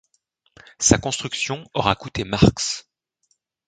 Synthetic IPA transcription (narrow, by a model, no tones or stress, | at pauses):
sakɔ̃st̪χyksjɔ̃ɔʁakut̪emaʁks